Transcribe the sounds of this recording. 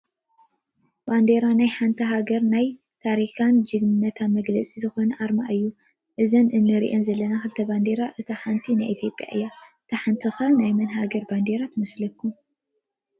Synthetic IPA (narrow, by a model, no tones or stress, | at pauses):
band̪eɾanajħant̪ʰɐɦaɡɐɾnaj | t̪ʰaɾikʰand͡ʒɨɡmɨnːɐt̪ʰanmɐɡlɐt͡sʼizɨxo̞nɐʔaɾmaʔɨjːu | ʔɨzɐnʔɨnːɨɾḭʔenzɐlːɐnaxɨlɨt̪ʰɐband̪eɾaʔɨt̪ʰɐħant̪ʰinajʔit̪ʰjo̞pʼja̰ʔɨjːaʔɨt̪ʰɐħant̪ʰɨxɐnajmɐnhaɡɐɾband̪eɾat̪ʰmɐslɐkʰːum